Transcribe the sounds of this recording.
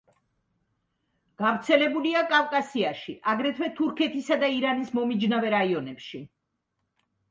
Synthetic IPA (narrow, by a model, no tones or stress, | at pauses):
ɡ̥avɾt̪sʰɛlɛbuliakʼavkʼasiaʃiʔaɡɾɛt̪ʰwɛt̪ʰuɾkʰɛt̪ʰisad̪aiɾanismɔmid͡ʒnavɛɾaiɔnɛpʃi